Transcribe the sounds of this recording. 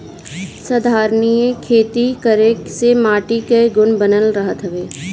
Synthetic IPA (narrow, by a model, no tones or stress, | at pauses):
səd̪ʱaːɾnijekʰeːt̪ikəɾeksemaːʈikeɡʊnbənəlɾəɦət̪ɦəʋeː